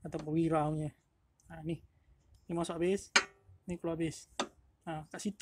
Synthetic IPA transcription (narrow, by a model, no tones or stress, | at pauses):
at̪apawiɾauwɲə | anih | nimasoʔabɪsnihkuloabɪs | akaʔsit̪